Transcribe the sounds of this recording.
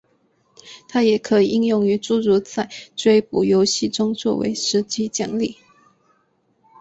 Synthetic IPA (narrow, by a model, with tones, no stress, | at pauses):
t̪ʰa˥jɛ˨˩kʰɤ˧˦i˨˩ʔi˥˧ŋjʊ˥˩ŋy˧˥ʈ͡ʂu˥˧ɻu˧˥t͡sa˥˩ɪʈ͡ʂwe˥ɪpu˨˩jo˧˥ʊɕi˥˩ʈ͡ʂʊ˥ŋt͡swɔ̰˥˩wḛ˧˥ɪʂɻ̩˧˥t͡ɕi˥t͡ɕjɑ˨˩ŋli˥˩˦